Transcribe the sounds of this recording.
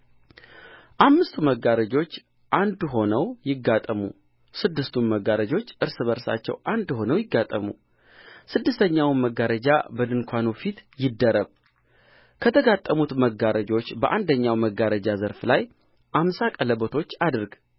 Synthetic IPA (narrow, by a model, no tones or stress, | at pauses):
ʔamːɨst̪ʰuməɡaɾəd͡ʒo̞t͡ʃː | ʔand̪ɦo̞nəwjɪɡːat̪ʼːəmṵ | sɨd̪ːɨst̪ʰumməɡːaɾəd͡ʒo̞t͡ʃːʔɨɾsɨβəɾsa̰t͡ʃːɛ̰wʔand̪ho̞nəwjɪɡːat̪ʼːəmṵ | sɨd̪ːɨst̪ʰəɲːawməɡaɾəd͡ʒa̰bəd̪ɨnkʰʷanufit̪jɪd̪ːəɾəβ | kʰət̪ʰəɡat̪ʼːəmut̪məɡaɾəd͡ʒo̞t͡ʃːbəʔand̪əɲːawməɡaɾəd͡ʒazəɾflaj | ʔamsakʼələbət̪ʰo̞t͡ʃːad̪ɨɾɡ